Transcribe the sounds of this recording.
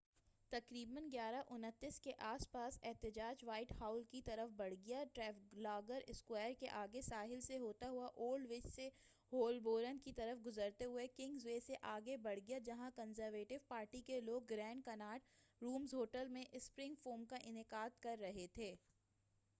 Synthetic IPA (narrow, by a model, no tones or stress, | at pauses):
t̪ɐkɾiːbənɡjaːɾaʔʊnət̪ːɪskeʔaːspaːsɛɦt̪ɪd͡ʒaːd͡ʒʋaːɪʈhaːʊlkit̪ɐɾəfbɐɽ̤ɡɪjaʈɾɛːflaːɡəɾɪskwaːəɾkeʔaːɡesaːɦɪlseɦoːt̪aɦʊaʔoːlɖʋɪd͡ʒse | ɦoːlboːɾənkit̪ɐɾəfɡʊzəɾt̪eɦʊekɪ̃ŋɡzʋeseʔaːɡebɐɽ̤ɡijad͡ʒɐɦãkənzəɾʋeːʈɪʋpaːɾʈikeloːɡ̚ːɾɛ̃ːɳɖkɐnaːʈɾuːmzɦoːʈəlmẽʔɪspɾɪ̃ŋɡfoːmkaʔɪnɪkaːd̪̚kɐɾːɐɦet̪ʰeː